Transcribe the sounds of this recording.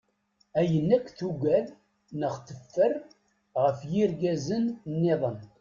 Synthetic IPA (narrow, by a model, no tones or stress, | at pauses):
æjənːækʷːθuɡʷæð | nəχt̪əfːər | ʁəfjiɾɡæzənnːɪðˤən